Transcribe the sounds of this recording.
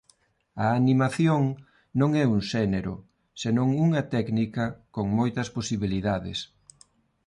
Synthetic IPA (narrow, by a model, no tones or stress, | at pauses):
ɐːnimaθjoŋ | nõŋɛuŋʃɛneɾʊ̰ | senõŋuŋɐt̪ɛknikɐkoŋmojt̪ɐsposiβiliðaðɪ̰s